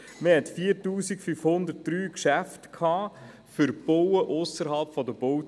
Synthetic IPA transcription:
məhɛtfiːəɾtuːsikfyfhʊnd̪əɾt̚d̥ɾyːkʃæftkʰɑː | fʏɾb̥owəʔʊsəɾɦɑlpfɔdəb̥o

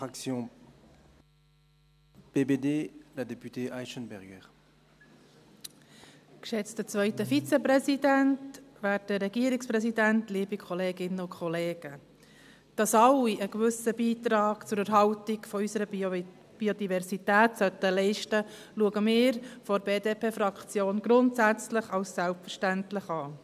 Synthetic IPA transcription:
fʁaksjɔ̃ | b̥ebedeːlad̪epyt̪eʔajʃənbɛʁɡəʁ | kʃɛt͡stət͡svœʏtəfit͡sɛprɛsidæntʋæːtdəɾɛɡiəɾikspɾɛsidæntliːbikʰɔleːɡɪnəʊkʰχɔleːɡ̥ə | d̥ɑsɑlːiəɡvʏsəbiːt̪ɾɑːɡ̥t͡sʊɾəɾɦɑltiɡfɔysəɾə | b̥iod̪ivɛɾsitæːtsœt̪əlɛɪʃtə | luəɡəmɪːɾfɔɾbeːdeːpʰeːfɾɑkt͡sjoːnɡɾʊntsæt͡slɪχɑlssælpfəɾʃtæntlɪχɑː

